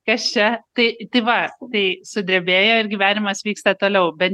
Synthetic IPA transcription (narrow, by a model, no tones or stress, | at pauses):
kɐst͡ʃʲɛt̪ɐɪt̪ɐɪʋɐt̪ɐɪsʊd̪ʲɾʲebʲeːjoːɪɾɡʲiːʋʲæːnʲɪmɐsʋʲiːkst̪ɐt̪oːlʲɛʊbʲɛt̪